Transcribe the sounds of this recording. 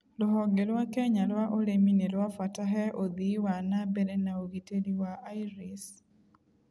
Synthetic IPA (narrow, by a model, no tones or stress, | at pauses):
lɔɦɔɡelwakɛɲalwaʔoɾeminelwafwataɦɛʔod̪iwanabɛlɛnaoɡiteliwaajɾis